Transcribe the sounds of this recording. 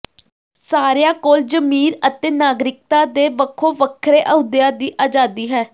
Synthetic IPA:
saːɾejãːkoːld͡ʒəmiːɾət̪eːnaːɡɾɪk̚t̪aːd̪eːʋəkʰːoːʋəkʰɾeːʔəʊd̪ɪjaːd̪iːʔaːd͡ʒaːd̪iːɦɛː

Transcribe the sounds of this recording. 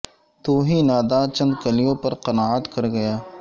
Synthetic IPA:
t̪oːɦinaːd̪aːt͡ʃɐ̃nd̪kɐlijõːpɐɾqɐnaːət̪kɐɾɡɐjaː

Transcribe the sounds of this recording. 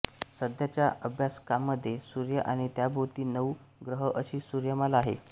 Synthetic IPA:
səd̪ʱjat͡ɕjaəbʱjaskamːəd̪ʱːjesuɾjəʔaɽ̃it̪jabʱəʋt̪iːnəw | ɡɾəɦəʔəɕiːsuɾjəməlaːɦḛ

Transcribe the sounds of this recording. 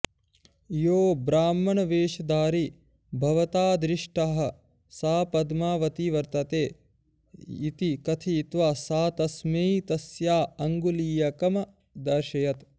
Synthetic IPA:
joːbɾaːmːɐɳɐʋeːʃɐd̪aːɾi | bʱɐʋɐt̪aːd̪ɾiʂʈaɦɐ̆ | saːpɐd̪maːʋɐt̪iʋɐɾt̪ɐt̪eː | it̪ikɐt̪ʰiːt̪ʋaːsaːt̪ɐsmeːt̪ɐsjaːɐŋɡuliːjɐkɐmɐ | d̪ɐɾʃɐjɐt̪

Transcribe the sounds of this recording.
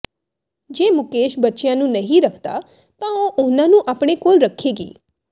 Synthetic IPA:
d͡ʒemʊkeʃbətːʃjãnũnəɦĩɾəkʰt̪a̰ | t̪ãoʔonanũʔapɽ̃ekolɾəkʰeɡḭː

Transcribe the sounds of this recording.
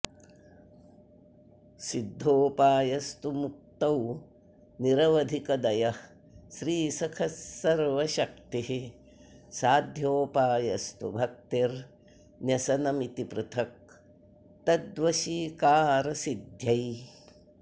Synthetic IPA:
sid̪ʱːoːpaːjɐst̪umuk̚t̪ɐw | niɾɐʋɐd̪ʱikɐd̪ɐjɐ | ʃɾiːsɐkʰɐsːɐɾʋɐʃɐk̚t̪iɦi | saːd̪ʱjoːpaːjɐst̪ubʱɐk̚t̪iɾ | njɐsɐnɐmit̪ipɾut̪ʰɐk̚ | t̪ɐd̪ʋɐʃiːkaːɾɐsid̪ʱjɐj

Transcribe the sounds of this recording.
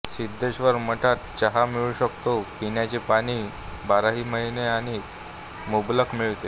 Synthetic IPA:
sid̪ʱːeɕʋəɾməʈʰat̪̚t͡ɕəɦamiɭuːɕəkt̪opinjat͡ɕepaɽ̃iː | baɾaɦiːməɦineaɽ̃i | mubləkmiɭt̪e

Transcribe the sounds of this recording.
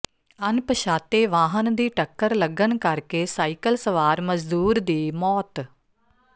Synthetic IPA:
ənpəʃaːt̪eːʋaːɦənd̪iːʈəkːəɾləɡənkəɾkeːsaːikəlsəʋaːɾməzd̪uːɾd̪iːmɔːt̪

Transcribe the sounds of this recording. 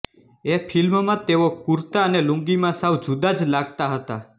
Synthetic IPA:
efilmmãt̪eʋokuɾt̪aəneluŋɡimãsawd͡ʒud̪ad͡zlaɡt̪aɦət̪a

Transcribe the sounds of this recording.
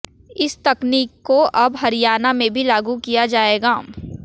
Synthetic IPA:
ɪst̪ɐkniːkːoʔɐbɦɐɾɪjaːnamẽbʱilaːɡukijad͡ʒaːeːɡaː

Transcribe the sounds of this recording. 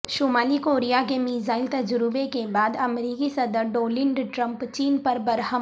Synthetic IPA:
ʃumaːlikoːɾijakemiːzaːɪlt̪ɐd͡ʒɾʊbekebaːd̪ɐmɾiːkisɐd̪əɾɖoːlɪ̃ɳɖʈɾə̃mpt͡ʃiːnpɐɾbɐɾɦə

